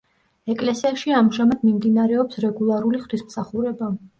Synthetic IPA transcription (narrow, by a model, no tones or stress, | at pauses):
ɛkʼlɛsiaʃiamʒamad̪mimd̪inaɾɛɔpsɾɛɡulˠaɾuliχɾismsaχuɾɛba